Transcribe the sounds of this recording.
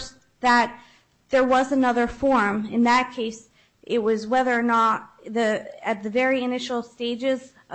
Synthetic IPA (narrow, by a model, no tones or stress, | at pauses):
s | ðɨt̪̚ | ðə˞wʌzɨnʌðə˞fɔɹmɨ̃nðɨt̚kʰeɪs | ʔɪt̚wʌzwɛðə˞nəɾ | ðɨɨt̪̚ðɨvɛɹiɨnɪʃl̩ˠsteɪd͡ʒɪz